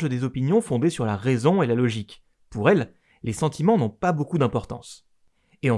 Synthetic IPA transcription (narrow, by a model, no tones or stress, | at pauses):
ʒəd̪ezɔpinjɔ̃fɔ̃d̪esyʁlaʁezɔ̃elalɔʒik | puʁɛlː | esɑ̃t̪imɑ̃nɔ̃pabokud̪ɛ̃pɔʁt̪ɑ̰̃s | eɑ̃